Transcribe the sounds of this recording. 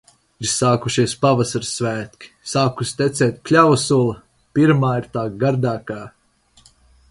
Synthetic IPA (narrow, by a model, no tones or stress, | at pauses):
iɾsaːkuʃiɛspavasaɾsːvæːt̪kʲi̥saːkust̪ʲɛt̪seːt̪̚ʲklʲavsuɔlˠɐ | piɾmaːiɾt̪aːɡaɾd̪aːkaː